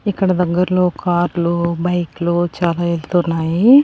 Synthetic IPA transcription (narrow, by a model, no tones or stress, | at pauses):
ikːɐɽɐd̪ɐɡːɐɾɐlo̞ːkʰaːɾlubɐjklut͡ʃaːlaːelt̪uːnːaːji